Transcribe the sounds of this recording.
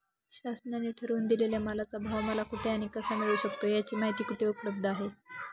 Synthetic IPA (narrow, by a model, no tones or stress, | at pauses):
ɕasɳjaneʈʰəɾuːnd̪ilelaməlat͡sabʱaʋməlakuʈʰeaɽ̃ikəsamiɭuːɕək̚t̪ojat͡ɕiːmaɦit̪iːkuʈʰeupləb̚d̪ʱəaɦe